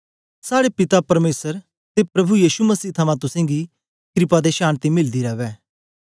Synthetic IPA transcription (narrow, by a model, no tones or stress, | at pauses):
saːɽepɪt̪apɐɾmeːsəɾ | t̪epɾɐbujiːʃumɐsiːt̪ʰɐmãt̪ʊsɛ̃ːŋɡi | kɾɪpad̪eʃaːnt̪imɪld̪iɾɐʋɛː